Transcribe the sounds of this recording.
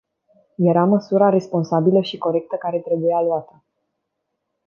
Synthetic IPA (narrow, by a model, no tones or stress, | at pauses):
je̞ɾaməsuɾaɾe̞spo̞nsabiləʃiko̞ɾe̞k̚t̪əkaɾe̞t̪ɾe̞bujaluat̪ə